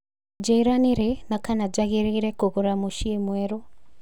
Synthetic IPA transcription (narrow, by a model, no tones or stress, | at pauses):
d͡ʒɛiɾaniɾɛnakanad͡ʒaɣeɾeɾɛkoɣoɾamuʃiemwɛɾo